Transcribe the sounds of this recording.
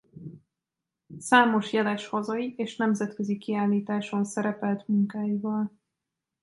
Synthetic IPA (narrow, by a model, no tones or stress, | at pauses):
saːmo̞ʃjɛlɛʃhɒzɒiʔeːʃnɛmzɛt̪køzikiaːlːiːt̪aːʃo̞nsɛɾɛpɛlt̪muŋkaːjivɒl